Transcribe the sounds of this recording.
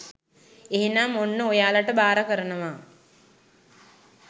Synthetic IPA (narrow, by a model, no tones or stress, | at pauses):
eɦinaːmonːəojaːləʈəbaːɾəkəɾənəʋaː